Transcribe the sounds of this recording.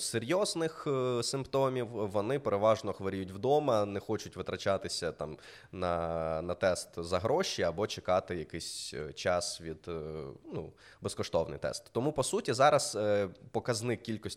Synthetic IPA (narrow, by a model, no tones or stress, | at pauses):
seɾʲjɔznɪxsɪmpt̪ɔmʲiwʋɔnɪpeɾeʋɑʒnɔxʋɐɾʲijutʲwd̪ɔmɐnɛxɔt͡ʃʊtʲʋɪt̪ɾɐt͡ʃɑt̪ɪsʲɐt̪ɑm | nɐnɐt̪ɛst̪zɐɦɾɔʃiɐbɔt͡ʃekɑt̪ɪjɐkɪsʲt͡ʃɑsʋʲid̪̥nu | bɛskɔʃt̪ɔwnɪ̰jt̪ɛ̰st̪ːɔmupɔsutʲizɑɾɐz̥pɔkɐznɪkʲilʲkɔsʲ